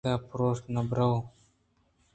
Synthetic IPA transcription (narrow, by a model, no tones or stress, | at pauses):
apɾost̪nabɾaw